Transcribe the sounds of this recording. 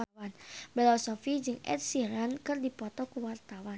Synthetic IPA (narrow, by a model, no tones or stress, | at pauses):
wanbɛlɔsɔfid͡ʒɨŋɛ̰t̪̚siɾankɨrdipɔt̪ɔkuwart̪awan